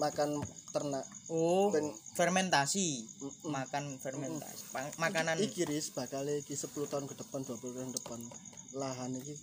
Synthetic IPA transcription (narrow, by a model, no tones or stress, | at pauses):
makant̪ərnaʔopɛŋfɛrmɛnt̪asimmakanfɛrmɛnt̪a̰si̥amakananikiɾisəb̥a̤kaleikisəpulut̪aʊnkəd̥əpand̪̥uapulut̪aundəpanlaɦaniki